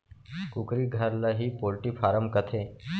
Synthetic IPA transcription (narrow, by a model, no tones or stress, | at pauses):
kukɾiːɡʱəɾləɦiːpolʈiːfʰaːɾəmkət̪ʰe